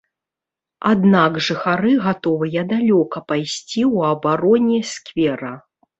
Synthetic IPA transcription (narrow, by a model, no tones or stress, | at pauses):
ad̪naɡʐɨxaɾɨɣat̪ɔvɨjɐd̪alʲɔkɐpajsʲt͡sʲiwɐbaɾɔnʲɛskvʲɛɾɐ